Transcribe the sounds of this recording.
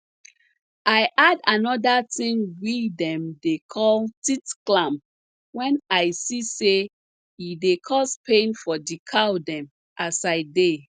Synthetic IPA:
aɪʔadanɔdatĩŋwidɛ̃mdekʰɔltitklãm | wɛ̃naɪsise | idekʰɔspẽnfɔdikʰawdɛ̃m | ʔasaɪde

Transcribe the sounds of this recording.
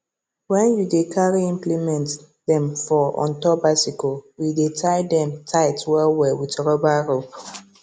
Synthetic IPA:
wɛ̃njudekʰaɹiĩmplimɛ̃nt | dɛ̃mfɔɔ̰̃ntɔbasikowidetʰajdɛ̃mtʰaɪtwɛwɛwitɹɔbaɹop

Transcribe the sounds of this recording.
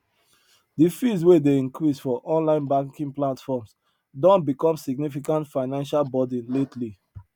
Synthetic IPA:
difis̬wedeĩnkɹisfɔʔɔ̃nlãɪ̃nbãŋkĩŋplatfɔms | dɔ̃ntbikɔ̃msiɡnifikãntfaɪnãnʃalbɔdĩnletʰli

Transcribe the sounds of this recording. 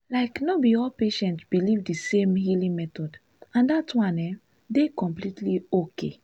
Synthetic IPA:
laɪknobiɔlpeʃɛ̃ntsbilivdisẽmhilĩŋmɛtɔd | ãndatwãnɛ | dekɔ̃mplitʰliokḛ

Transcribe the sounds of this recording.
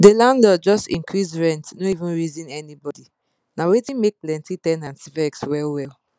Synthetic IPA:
delãnlɔd͡ʒɔstḭ̃ŋkʰɹizɹɛ̃ntnoivũnɹizĩnɛnibɔdi | nawetĩmek̚plɛ̃ntitɛ̃nãnsifɛkswɛlwɛl

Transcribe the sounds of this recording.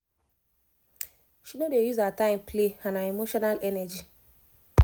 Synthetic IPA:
ʃinodejuzaatãɪ̃mplehãnaemoʃɔnalɛnɛd͡ʒi

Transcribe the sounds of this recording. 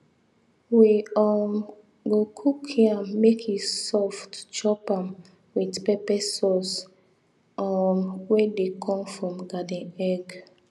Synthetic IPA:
wiɔm | ɡokʰukhiamekʰjisɔftt͡ʃɔpãm | widpɛpɛsɔs | ɔmwedekʰɔ̃mfɹɔ̃mɡadɛ̃nɛɡ

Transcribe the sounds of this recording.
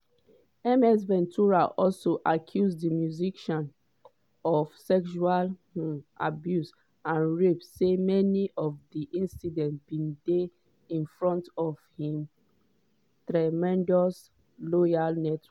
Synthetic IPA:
ɛmɛs̬bɛ̃ntuɹaʔɔlsoʔakʰjuzdimjuziʃɔ̃n | ɔfsɛkʃualʔa̰bjus | ãnɹepsemɛniʔɔfdiʔĩnsidɛ̃ntb̥ĩnde | ĩnfɹɔ̃ntɔvhĩm | tɹamɛ̃ndɔs | lɔjalnɛtʰ

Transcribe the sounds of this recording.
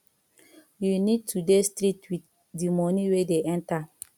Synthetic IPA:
junid̚tudestɾitwit | dimɔniwedeʔɛ̃nta

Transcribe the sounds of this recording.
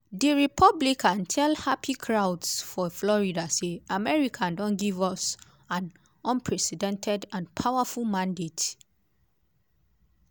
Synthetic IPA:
dəɹipʰɔblikʰãntʰɛlhapikʰɹawdsfɔflɔɹidaseamɛɹikʰãndɔ̃nɡivɔs | ãn | ɔ̃npʰɹɛsidɛ̃ntʰɛdãnpʰawafulmãndet

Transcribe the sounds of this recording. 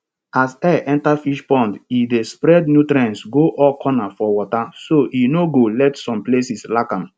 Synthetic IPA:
asɛʔɛ̃ntafiʃpɔ̃ndidespɾɛdnjutɾɛ̃nsɡoʔɔkʰɔnafɔwɔtasoʔinoɡolɛtsɔ̃mplesislakãm

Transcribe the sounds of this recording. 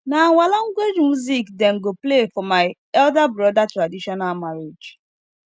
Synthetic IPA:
naaŋʷalaŋ̩ɡwed͡ʒmjuzikdɛŋ̩ɡoplefɔmaɪ | ɛldabɾɔdatɾadiʃɔnalmaɾed͡ʒ

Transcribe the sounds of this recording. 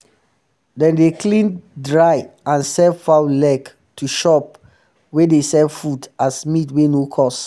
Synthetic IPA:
dɛ̃ndeklĩndɹaɪãnsɛvfaʊlɛɡ | tʰuʃɔp̚ | wedesɛvfudasmitwenokʰɔs

